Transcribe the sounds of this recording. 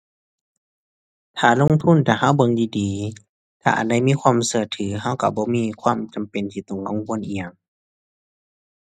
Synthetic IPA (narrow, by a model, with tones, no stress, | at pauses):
t̪ʰaː˨˩lo˧˥˨ŋt̪ʰu˧˥˨nt̪ʰaː˧˩ɦa˧˥˨wbɤ˧˨ŋdiː˧diː˨˦ | t̪ʰa̰ː˧ʔa̰˨˩nda˧˨jmiː˧˥˨kʰwaː˧˥˨msɯ˧˩ət̪ʰɯː˨˦ɦa˧˥˨wka˧˩bɔː˧˦miː˧˥˨kʰwaː˧˥˨mt͡ɕa˨mpe˨nt̪ʰiː˧˩t̪ɔ˧˩˨ŋka˧˨ŋkʰu˧˥ə˨nʔi˧ja˨˧˨ŋ